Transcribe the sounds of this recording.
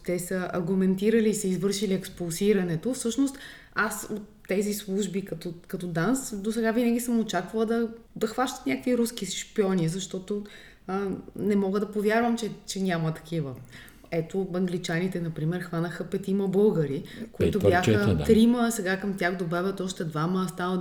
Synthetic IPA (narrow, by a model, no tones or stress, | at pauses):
t̪ɛsəɐ̰ɾɡumɛnt̪iɾəliːsɛizvɤɾʃiliɛkspulˠsiɾɐnɛt̪ofsɤʃnost̪ | asot̪ːɛzislˠuʒbikɐt̪okɐt̪od̪ansd̪osɛɡavinəɡʲisəmot͡ʃakvɐlˠəd̪ɐd̪ɐxvaʃt̪ə̥t̪nʲakəkviɾuskisi̥ʃpiɔnʲizɐʃt̪ɔt̪o | ənɛmɔɡəd̪ɐpovʲjaɾvəmt͡ʃɛt͡ʃɛnʲamət̪ɐ̥kivə | ɛt̪obɐŋɡlit͡ʃanit̪ɛnɐpɾimɛɾxvanəxəpɛt̪iməbɤlˠɡəɾikoit̪objaxət̪ɾiməsɛɡakɐmt̪ʲjaxd̪obɛvʲət̪ɔʃt̪ɛd̪vaməst̪alˠə